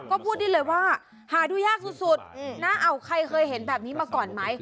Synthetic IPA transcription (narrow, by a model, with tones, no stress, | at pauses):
kɔː˥˩pʰuː˥˩t̪̚diː˧˥˩lɤː˧jwaː˥˩ | haː˩˦duː˧jaː˥˩k̚su˨˩su˨˩t̪̚naː˥˩ʔa˧wkʰa˧jkʰɤː˧jhe˩˦nbɛː˨˩p̚niː˦˥maː˧kɔː˨˩nma˦˥j